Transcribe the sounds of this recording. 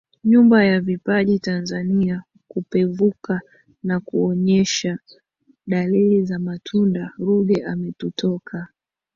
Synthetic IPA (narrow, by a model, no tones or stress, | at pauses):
ɲumbajavipaʄitanzania | kupɛvuka | nakuɔɲɛʃa | ɗalilizamatʰundaɾuɠɛʔamɛtutʰɔkʰa